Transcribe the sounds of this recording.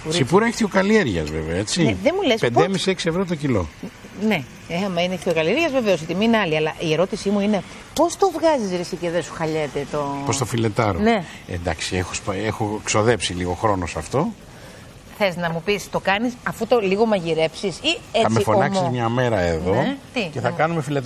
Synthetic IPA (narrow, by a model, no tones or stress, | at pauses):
usipuɾeçi̥t̪çokɐlieɾʝɐzveveoet͡siðemulespenemisieksievɾot̪̬ocilo̞̰ | ne̞ | eɐmɐineeçt̪çʰokɐlieɾʝɐzve̞ve̞o̞sit̪imiineɐliɐlɐʔie̞ɾo̞t̪isimuine̞ | po̞st̪o̞vɣɐzizɾisiceðesu̥xɐʎet̪et̪opost̪ofile̞t̪ɐɾone̞ | ḛnd̪ɐksiexospexokso̞ðe̞psiliɣo̞xɾo̞nosɐft̪o̞ | θe̞znɐmupist̪o̞kɐnisɐfut̪o̞liɣo̞mɐʝiɾe̞psisieɐt͡smeifoonɐkmsimɲɐme̞ɾɐe̞ðo̞t̪ice̞θɐkɐnumefilet̪ɐ